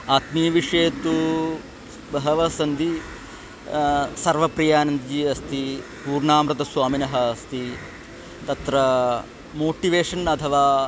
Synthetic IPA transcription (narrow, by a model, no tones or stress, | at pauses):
aːt̪mijɐʋiʂeːt̪u | bɐɦɐʋɐsɐnd̪i | sɐɾʋɐpɾijaːnɐnd̪d͡ʒiːɐst̪i | puːɾɳaːmɾɐt̪ɐsʋaːminɐɦɐɐst̪i | t̪ɐt̪ɾɐ | moːʈiʋeːʂɐnɐt̪ʰɐʋaː